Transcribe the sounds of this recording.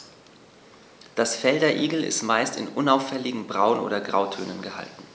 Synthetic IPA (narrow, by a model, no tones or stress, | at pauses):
d̥asfɛldɐʔiːɡl̩ɪ̰stmaɪstɪ̰nʔʊnaʊfɛlɪɡŋ̩bʁaʊnʔo̰ːdɐɡʁa̰ʊtʰøːnənɡəha̰ltn̩